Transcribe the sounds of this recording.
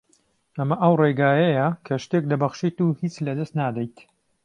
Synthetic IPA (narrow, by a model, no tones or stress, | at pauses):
ʔɐmɐʔɐwreɡaːjɐjɐkʰɐʃt̪ek̚d̪ɐbɐχʃit̪uhit͡slɐd̪ɐst̪naːd̪ɐjt̪